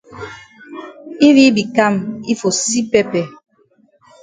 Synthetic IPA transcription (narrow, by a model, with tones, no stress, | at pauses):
i˦vi˦bi˨ka˦˨mi˦fo˨si˦pɛ˦pɛ˨